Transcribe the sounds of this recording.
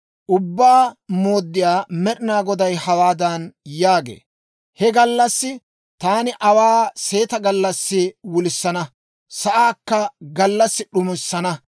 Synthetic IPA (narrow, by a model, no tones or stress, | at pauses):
ʔʊbːaːmo̞ːd̪ːɪjaːmɛɗɪnaːɡɔd̪ɐjhɐwaːd̪ɐnjaːɡḛː | hɛɡɐlːɐsːɪ | t̪aːnɪʔɐwaːse̞ːt̪ɐɡɐlːɐsːɪwʊlɪsːɐnɐ | sɐʔaːkːɐɡɐlːɐsːɪɗʊmɪsːɐnɐ